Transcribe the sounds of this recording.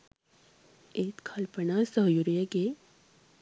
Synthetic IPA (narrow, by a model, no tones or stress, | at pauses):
et̪kʰɐlpənasəɦjuɾjəɡe